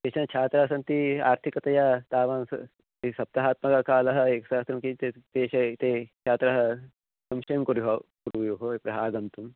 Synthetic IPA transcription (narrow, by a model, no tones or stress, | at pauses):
d̪eːʃɐnɐt͡ʃʰaːt̪ɾaːsɐnt̪ia̰ːɾt̪ʰikɐt̪ɐjat̪aːʋaːnsɐ̰ | isɐp̚t̪ɐɦaːt̪mɐkɐkaːlɐɦɐeːkɐsaːst̪ɾɐmkit̪et̪eːʃɐt̪eːt͡ʃʰaːt̪ɾɐɦɐ | sɐmʃɐjɐmkuɾuɦɐkuɾuʋɐjoɦoːipɾɐɦaːɡɐnt̪um